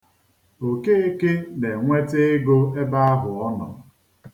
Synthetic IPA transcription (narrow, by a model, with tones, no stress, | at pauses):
o˨ke˦e˦ke˦ne˨ŋʷe˦te˦ɡo˦e˦ba˦a˦ɦʊ˨ɔ˦nɔ̰˨